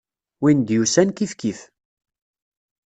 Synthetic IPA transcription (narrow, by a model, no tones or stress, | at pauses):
wind̪jusænkifkif